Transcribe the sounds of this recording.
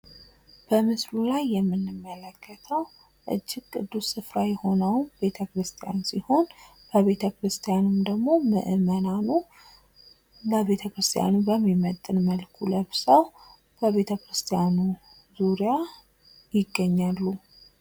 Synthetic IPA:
b̥əmɨslulajːɛmːɨnːɨmːələkʰːət̪ʰəw | ʔɨ̰d͡ʒːɪɡkʼɨd̪ːusːɨfɾajɛho̞nəwbe̞t̪ʰəkɾɨst̪ʰijansiho̞n | b̥əβe̞t̪ʰəkɾɨst̪ʰijanɨmd̪əɡmo̞mɨ̰ʔɨmənanu | ləβe̞t̪ʰəkɾɨst̪ʰija̰nubəmːimət̪ʼɨnməlkʰuləβsəw | b̥əβe̞t̪ʰəkɾɨst̪ʰijanu | zuɾija | jɪɡːəɲːalːu

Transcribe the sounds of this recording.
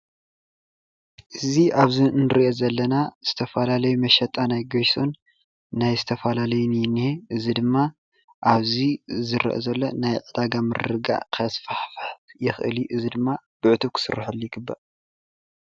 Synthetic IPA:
ʔɨziʔaβzinɨɾiʔozɐlːɐnaz̥ɨt̪ʰɐfɐlalɐjumɐʃɐt̪ʼanajɡojso̞nː | ajzɨt̪ʰɐfɐlalɐjunniheʔɨzid̪ɨmːa | ʔaβzizɨɾḭʔo̰zɐlːonajʕɨd̪aɡamɨɾrɨɡa̰ʕkʰɐsfaħfħjɪxʔɨ̰ljiʔɨzid̪ɨmːab̥ɨʕɨt̪ʰuβkʰɨ̥sɨ̰rːaħalːujɪɡɨbːɐʔ

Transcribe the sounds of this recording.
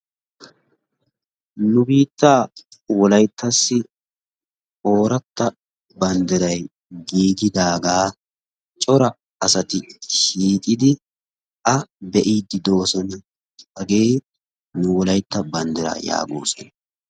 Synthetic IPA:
nʊbiːt̪ːaːwɔlɐjt̪ʰːɐsːɪ | o̞ːɾɐt̪ːɐ | bɐnd̪ɛɾɐj | ɡiːɡɪd̪aːɡaː | t͡ʃʼɔɾɐ | ɐsɐt̪ɪʃiːk̪ʼɪd̪ɪ | ʔɐbɛʔiːd̪ːɪd̪o̞ːsɔn | ɐɡeː | nʊwɔlɐjt̪ːɐbɐnd̪ɛɾa̰ːja̰ːɡo̰ːsɔn

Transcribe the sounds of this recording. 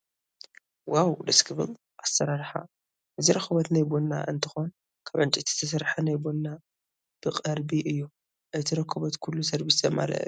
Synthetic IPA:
wawd̪ɐskʰɨbɨl | ʔasɐɾaɾħa̰ | ʔɨziɾɐxɐbɐt̪najbonːa̰ʔɨnt̪ʰɨ̥xon | kʰaβʕɨnt͡ʃʼit̪ʰi̥t̪ʰːɐs̬ɐɾħanajbonːa | b̥ɨqʼɐɾbiʔɨjːu | ʔajt̪ʰiɾɐkʰːɐβɐt̪kʰulːusɐɾbisɐma̰lɐ̰ʔ

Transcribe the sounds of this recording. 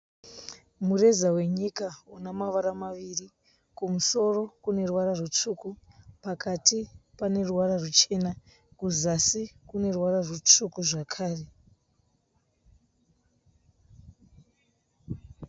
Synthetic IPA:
mure̞zawe̞ɲikaunamaʋaɾamaʋiri | kumuso̞ro̞kune̞rwaɾarut͡ʂukupakʰatipane̞ruwaɾarut͡ʃe̞na | kuzasikune̞rwaɾarut͡ʂukuʐakʰaːre̞

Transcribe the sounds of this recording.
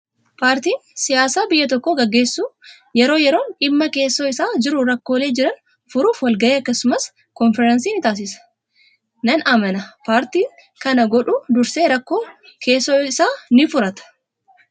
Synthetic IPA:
paːɾt̪iːnsɪjaːsaːbɪjːɐt̪ɔkːoɡɐɡːe̞ːsːuː | jɛɾo̞ːjɛɾo̞ːnᶑɪmːɐke̞ːsːoːɪsaːd͡ʒɪɾʊɾɐkːo̞ːle̞ːd͡ʒɪɾɐn | fʊɾuːfwɐlɡɐʔeːɐkːɐsʊmɐs | kɔnfɛɾɐnsiːnɪt̪aːs̬ɪsɐ̥ | nɐnɐmɐnɐpaːɾt̪iːŋ | kɐnɐɡɔᶑud̪ʊɾseːɾɐkːoː | kʰe̞ːsːoːɪsaːnɪfʊɾɐt̪ɐ̥

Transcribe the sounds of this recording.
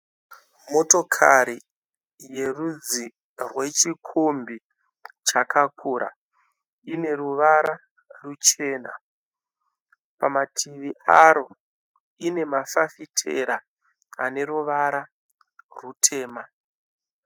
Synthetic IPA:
mo̞to̞kʰaɾi | je̞rud͡zi | rwe̞t͡ʃikʰombi | t͡ʃakʰakʰuɾa̰ | ine̞ruʋaɾa | rut͡ʃe̞ːna̰ | pamatʰiʋiʔaɾo̞ | ine̞mafafitʰe̞̰ɾa | ane̞ɾuʋaɾa | rutʰe̞ːma

